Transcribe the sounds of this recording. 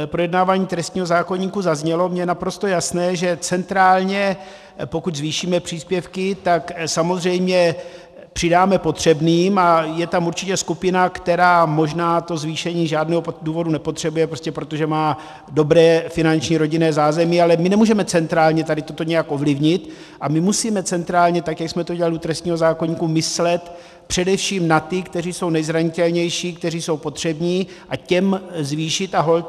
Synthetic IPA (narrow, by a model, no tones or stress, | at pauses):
pɾo̞jɛdnaːvaːɲiːt̪ɾɛst̪ɲiːɦozaːko̞ɲiːkuzazɲɛlo̞mɲɛjɛnapɾo̞st̪o̞jasnɛːʒɛt͡sɛnt̪ɾaːlɲɛ | po̞kuczviːʃiːmɛpr̝̥iːspjɛfkɪt̪aksamozr̝ɛjmɲɛ | pr̝̥ɪdaːmɛpo̞t̪r̝̥ɛbniːmajɛt̪amuɾt͡ʃɪcɛskupɪnakt̪ɛɾaːmo̞ʒnaːt̪o̞zviːʃɛɲiːʒaːdnɛːɦoduːvo̞dunɛpo̞t̪r̝̥ɛbujɛpɾoscɛpɾo̞t̪o̞ʒɛmaː | do̞bɾɛːfɪnant͡ʃɲiːɾo̞ɟɪnɛːzaːzɛmɪalɛmɪnɛmuːʒɛmɛt͡sɛnt̪ɾaːlɲɛt̪adɪt̪o̞t̪o̞ɲɛjakʔo̞vlɪvɲɪt̪ | ʔamɪmusiːmɛt͡sɛnt̪ɾaːlɲɛt̪akjaksmɛt̪oɟɛlalɪut̪ɾɛst̪ɲiːɦo̞zaːkoɲiːkumɪslɛt̪ | pr̥ɛdɛfʃiːmnat̪ɪkt̪ɛriːso̞wnɛjzɾaɲɪt̪ɛlɲɛjʃiːkt̪ɛr̝iːso̞wpo̞t̪r̥ɛbɲiːʔacɛmzviːʃɪt̪aɦol